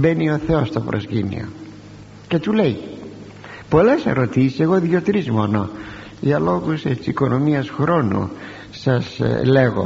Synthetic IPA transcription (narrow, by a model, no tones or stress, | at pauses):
benio̞θeost̪opɾʔo̰scinḭo̰ | ce̞t̪ule̞j | po̞lesḛɾot̪isiseɣo̞ðʝot̪ɾizmono | ʝɐlo̞ɣuset̪isiko̞nomiɐsxɾo̞nṵ | sɐsleɣo̰